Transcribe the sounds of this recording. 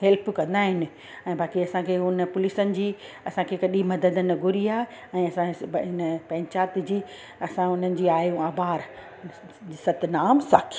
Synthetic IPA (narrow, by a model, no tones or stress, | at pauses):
ɦɛlpʰkɐ̃nd̪aːɦɪnɪ̆ | ɛ̃ːbaːkiɐsãkʰeʊnpʊlisənɪ̆d͡ʑiː | ɐsãkʰekɐɗĩmɐd̪əd̪ənɪ̆ɡʱʊɾiaːɦe | ɛ̃ːɐsãɦɪnpɛ̃ːɲt͡ɕaːt̪̆d͡ʑiː | ɐsãʊn̤ənɪ̆d͡ʑiːaːjũaːbaːɾ | d͡ʑiːsɐt̪naːmsaːkʰi̥